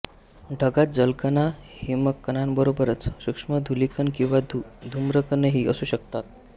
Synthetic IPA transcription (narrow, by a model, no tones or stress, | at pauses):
ɖʱəɡat̪̚d͡zəlkənahiːməɡkːənanbəɾobəɾət͡sɕukʂməd̪ʱulikʰənkĩw̃ʋad̪ʱumɾəkənəɦiːʔəsuːɕəkt̪at̪̚